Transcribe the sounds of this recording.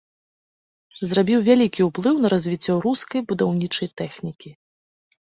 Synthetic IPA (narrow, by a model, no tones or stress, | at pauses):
zrabʲiwvʲalʲikʲiwplˠɨwn̪ɐɾɐzʲvʲit͡sʲːɔɾuskɐjbud̪awnʲit͡ʂɐjt̪ɛxnʲikʲi